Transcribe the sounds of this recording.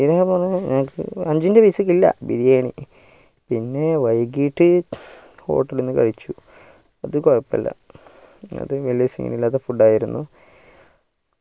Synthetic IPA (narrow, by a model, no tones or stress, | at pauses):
iɾaːpoːrɐɲaŋɐkʰːɨ̰ɐɲd͡ʑindeʋɐjsɐk̬ːilːɐ̰bḭɾijaːɳḭ | pinːe̞ʋɐjkːiːʈːɨ | ho̞̰ːʈːɐlenːɨkɐ̰ɻit͡ɕːu | ɐðɨkoɻɐpːɐlːɐ̰ | ɐ̰ðɨʋelijɐsḭŋːḭnilːaːt̪ːɐfuɖːaːjiɾunːu